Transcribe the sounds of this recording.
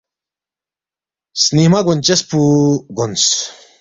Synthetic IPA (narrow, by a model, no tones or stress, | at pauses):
snihmaɡont͡ɕespuɡons